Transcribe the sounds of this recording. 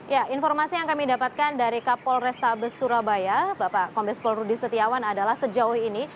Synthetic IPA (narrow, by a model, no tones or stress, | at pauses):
jaʔinfɔrmasijaŋkamidapat̪̚kandaɾikapɔlrɛst̪abəsuɾabajabapakɔmbɛspɔlrudisət̪iawanadalahsəd͡ʒauhini